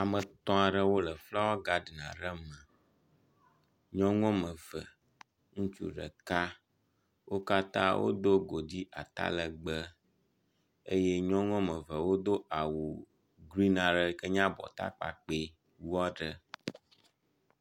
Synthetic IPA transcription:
a˨mə̃˨t̪ɔ̃˦a˨ɖə˦wo˦lə˨fla˦wɔ˦ɡa˦dnã̰˨ɖə˦mə̃˨ | ɲɔ̃˦ŋɔ̃˦mə̃˨və̰˨ | ŋũ˦t͡ʃṵ˦ɖə̰˨ka˦ | wo˦ka˦t̪ã̰˦wʔo̰˦d̪o˦ɡo˨d̪i˦ʔa˨t̪a̰˦lə˨ɡ͡bə˦ | e˦je˦ɲɔ̃˦ŋɔ̃˦mə˨və˨wo˦d̪o˦ʔa˨wu˨ | ɡli˦nã˨ɖə˦kə˦ɲã˦bɔ̰˨t̪a̰˦k͡pa̰˨k͡pe˦ | wu˦ɔ˦ɖə˦

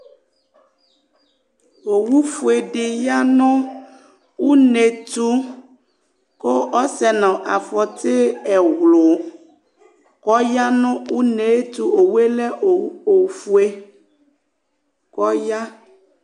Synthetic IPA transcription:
wo˨wu˦fu˨e˨ɖe˨ja˦nɔ̃˦ | wu˦ne˨t̪u˦ | ko˦ɔ˦sɛ˨nã˨ʔa˨fɔ˨t̪e˦ɛ˨wlo˨ | kɔ˦ja˦nɔ̃˦wu˦ne˨e˦t̪u˦o˨we˦lɛ˦o˨o˨fu˦e˦ | kɔ˦ja˦

